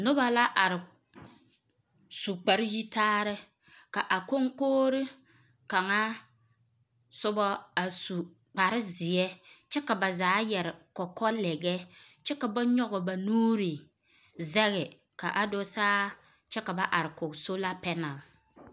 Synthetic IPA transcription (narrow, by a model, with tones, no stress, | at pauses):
nʊ˦ba˨la˦ʔa˨ɾɪ˨ | su˨k͡pa˨ɾɪ˦ji˦taː˦ɾɪ˦ | ka˨ʔa˨ko˦ŋkoː˦ɾɪ˦ | ka˨ŋa˦ | sʊ˦bɔ˦a˨su˨ | k͡pa˨ɾɪ˦zɪ˨jɛ˦t͡ʃɛ˦ka˨ba˨zaː˨˦jɛ˨ɾɪ˨kɔ˨kɔ˦lɛ˨ɡɛ˦t͡ʃɛ˦ka˨ba˦ɲɔ˦ɡɔ˨ba˨nuː˦ɾi˨ | zɛ˦ɣɪ˨ | ka˨ʔa˨do˦saː˦ | t͡ʃɛ˦ka˨ba˦ʔa˨ɾɪ˨kʊ˨ɡso˦la˦pɛ˦na˨l